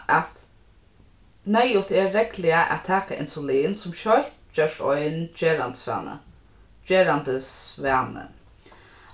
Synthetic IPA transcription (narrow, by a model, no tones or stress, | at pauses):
ʔat̪ | nɛjʊt̪ɛːɛklɪaʔæ̰tt̪ʰːæːkaʔɪ̰nsʊliːnsʊmʃɔjt̪d͡ʒœʃtɔjnd͡ʒeːɾant̪sʋɛ̰ːnə̰ | d͡ʒeːɾand̪əsvæːnə̰